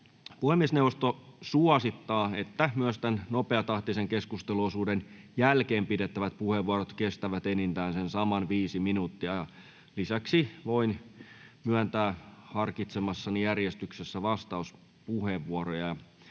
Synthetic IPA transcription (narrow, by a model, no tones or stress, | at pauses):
puhemːiesnewʋost̪osuɑsit̪ːɑːet̪ːæmyøst̪ænnopeɑt̪ɑht̪iseŋkeskust̪eluosuːdenjælkeːmpidet̪ːæʋæt̪̚puheʋuɑɾot̪kest̪æʋæt̪enint̪æːnsensɑmɑnʋiːsiminut̪ːiɑjɑ | lisæksiʋoin | myænt̪æːhɑrkit̪semɑsːɑnijærjest̪yksesːæʋɑst̪ɑus | puheʋːuoɾojɑjɑ